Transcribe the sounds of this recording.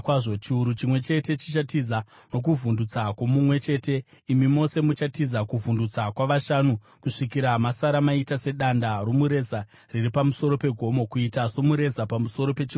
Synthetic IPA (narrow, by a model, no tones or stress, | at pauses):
kwaʐot͡ʃiuɾut͡ʃimwe̞t͡ʃe̞te̞t͡ʃit͡ʃatiza | no̞k̬uvundut͡sakwo̞mumwe̞t͡ʃe̞te̞imimo̞se̞mut͡ʃatizakuvundut͡sakwaʋaʃanu | kuʂikiɾamasaɾamaitase̞ɗandaromuɾe̞za | riripamuso̞ɾo̞pe̞ɡʱo̞mo̞kuitaso̞muɾe̞zapamuso̞ɾo̞pe̞t͡ʃi